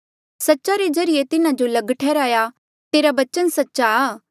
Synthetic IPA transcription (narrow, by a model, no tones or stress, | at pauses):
sɐtːʃaɾed͡ʒɐɾɪjet̪ɪnãd͡ʒolɐɡʈʰɛːɾaːja | t̪eːɾabɐt͡ʃənsɐtːʃaː